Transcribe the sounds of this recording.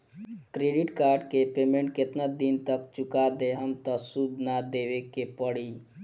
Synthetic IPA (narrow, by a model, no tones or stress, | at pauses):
kɾeɖiʈkaɾɖkepemeɳʈ̚ket̪nad̪int̪əkt͡ʃukad̪eɦəmt̪əsud̪nad̪ebekepəɽi